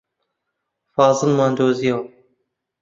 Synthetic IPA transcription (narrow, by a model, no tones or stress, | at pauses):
fɑːzɨlmɑːnd̪oːzijɐw